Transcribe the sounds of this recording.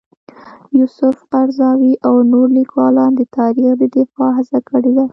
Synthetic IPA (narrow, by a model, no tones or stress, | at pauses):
jusʊfqaɾzɑwiʔawnoɾlikwɑlɑnd̪ət̪ɑɾixd̪əd̪ɪfɑɦazakəɽed̪a